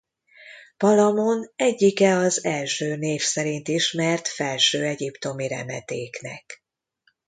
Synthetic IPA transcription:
pɒlɒmo̞nɛɟːikɛɒzɛlʃøːneːfsɛɾint̪iʃmɛrt̪fɛlʃøːɛɟipt̪o̞miɾɛ̰mɛt̪eːknɛ̰k

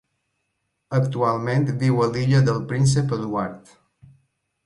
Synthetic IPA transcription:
əkt̪ualˠment̪biwəliʎəðəlˠpɾins̬əpəðuaɾt̪

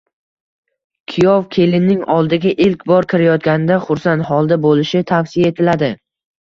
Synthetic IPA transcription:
kʲʰɪjɒvkʲʰe̞lɪnːɪŋɒlˠd̪ɪɡʲaʔɪlkʲbɒɾkʲʰɪɾajɒt̪ɡʲanɪd̪aχʊɾsant̪hɒlˠd̪abolɪʃɪt̪ʰafsɪjaet̪ʰɪlad̪ɪ

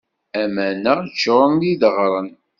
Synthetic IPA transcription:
æmænəʁt͡ʃːoɾˤəniðəʁɾˤən

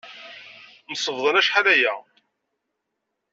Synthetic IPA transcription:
məsˤəvðˤənæʃħaðæjæ

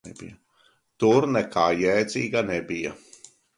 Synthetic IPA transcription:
ɛbḭjɐ | t̪uɾnɛkaːjɛːd̪zʲiːɡanɛbija

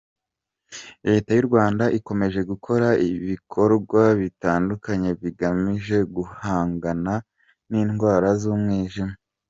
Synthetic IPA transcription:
ɾe̞ːtajuɾɡwaːndaʔiko̞me̞ʒe̞ɡukʰo̞ɾaiβikʰo̞ɾɡwaβitaːndukaɲe̞βiɡamiʒe̞ɡuhaːŋɡana | niːnɡwaːɾazuːmŋiːʒima

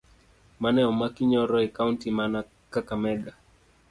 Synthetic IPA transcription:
manɛɔmakiɲɔɾɔɛkauntimana | kakamɛɡa

